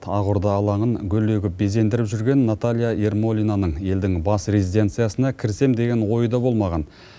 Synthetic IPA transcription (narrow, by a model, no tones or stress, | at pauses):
t̪ʰɑʁʊɾd̪ɑːlˠɑɴəŋɡʲɵle̞ɡʲɪp̚be̞ze̞nd̪ɪɾɪpʒʏɾɡʲe̞nːat̪alʲˠijae̞rmo̞lʲijnanəɴje̞ld̪ɪŋbɑsrʲe̞zid̪e̞nt̪sɨjasənɑkʲʰɪɾse̞md̪e̞ɡʲe̞nwo̞jəd̪ɑbo̞lˠmɑʁɑn